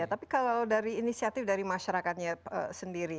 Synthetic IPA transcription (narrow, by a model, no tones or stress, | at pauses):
at̪apikalalawdaɾiːnisiat̪ɪfdaɾimaʃaɾakat̪̚ɲaə̰səndiɾi